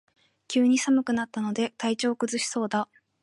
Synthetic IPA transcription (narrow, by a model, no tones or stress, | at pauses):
kʲɨːɲ̟isamɯ̟kɯ̟nat̪ːano̞d̪e̞t̪ait͡ɕo̞ːkɯ̟zɨɕi̥so̞ːd̪a